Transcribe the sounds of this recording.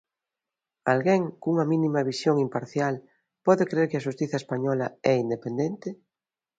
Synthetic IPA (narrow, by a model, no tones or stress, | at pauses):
alɣeŋkuŋɐmĩnimɐβ̞isjoŋimpaɾθjal | pɔðekɾeɾkɪaʃust̪iθaespaɲɔlaɛind̪epend̪ent̪ɪ